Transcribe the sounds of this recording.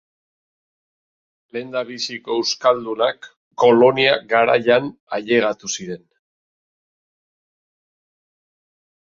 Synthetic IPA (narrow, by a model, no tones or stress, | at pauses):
le̞nd̪aβisiko̞ewskald̪unakː | o̞lo̞niaɡaɾa̰jana̰ʎe̞ɣat̪usiɾe̞n